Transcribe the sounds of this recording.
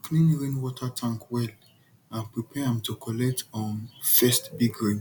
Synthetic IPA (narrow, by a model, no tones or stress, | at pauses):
knĩnɹĩnwɔtʰatʰãŋkwɛl | ãnpɹipʰɛãmtokʰɔlɛk̚tɔ̃nfɛstbiɡɹĩn